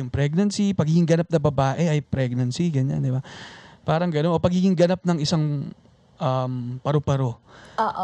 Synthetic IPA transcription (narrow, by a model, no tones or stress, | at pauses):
ʊŋpɾɛɡ̚nɐnsipɐɡhiːɡɪŋɡɐnap̚nɐbɐbaːʔɛʔɐjpɾɛɡ̚nɐnsiɡɐɲa̰nd̪ɪbapaːɾɐŋɡɐnonʔopɐɡiːɡɪŋɡɐnap̚nɐŋɪsaŋ | ʔɐmpɐɾopɐɾo̞oʔ